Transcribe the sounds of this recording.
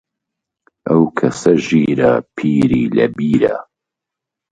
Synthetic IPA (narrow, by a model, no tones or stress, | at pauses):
ʔɐwkʰɐsɐʒiːɾɐ̰pʰiːɾiːlɐ̰biːɾɐ